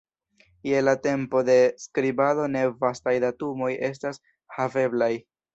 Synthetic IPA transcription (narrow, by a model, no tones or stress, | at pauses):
je̞late̞mpo̞de̞skɾibado̞ne̞vastajdatumo̞je̞s̬tas | have̞blaj